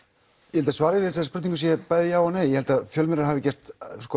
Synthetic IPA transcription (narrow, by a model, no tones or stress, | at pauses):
jɛhɛlt̪asvaːɾɪɪɪsaðspɾʏt̪niŋkʏsjɛpaːjðɪjaːwanejjɛhɛlt̪aðfjœlmɪɾaɾhavɪcɛr̥t̪skɔ